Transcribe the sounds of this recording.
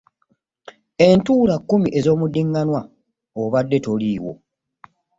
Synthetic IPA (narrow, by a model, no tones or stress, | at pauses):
e̞ntuːlakːumiʔe̞zo̞ːmudːiŋɡanwa | oβadːe̞toliːwo̞̰